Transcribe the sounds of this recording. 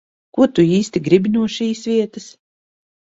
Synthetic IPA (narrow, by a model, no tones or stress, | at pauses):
kut̪uiːst̪iɡɾibʲinuɔʃiːsvʲiɛt̪as